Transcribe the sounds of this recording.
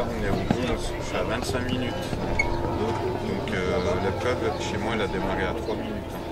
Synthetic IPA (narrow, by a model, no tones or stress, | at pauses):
ɔ̃nɛɔ̃d̪ĩs | saavɛ̃t̪sɛ̃kminyt̪ɑ̃kd̪od̪ɔ̃kʰølaklœbʃemwaɛlad̪əmaʁeat̪χwaminyt̪ɛ̃